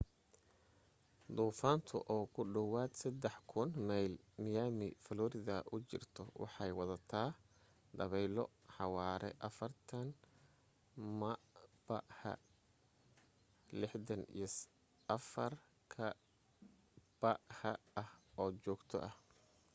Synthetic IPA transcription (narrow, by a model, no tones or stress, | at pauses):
d̪uːfaːnt̪ʰʊ̰ʔɔːkʰʊɖɐwaːd̪sɐd̪ɛħkʰʊnmajl | mɪjaːmɪfɐlɔːɾɪðɐʔʊt͡ʃɪ̰rt̪ʰɔwɑ̰ħɑjwɑðɐt̪ʰaː | d̪ɐβɛjlɔħɑwaːɾɛ̰ʔɐfɐrt̪ʰɐn | mɐbɐʔhɐ̰ | lɪħd̪ɐnḭjs | ɐfɐr | kʰɐ | b̥ɐhɐʔɐhɔːt͡ʃɔːɡt̪ʰɔ̰ʔɐh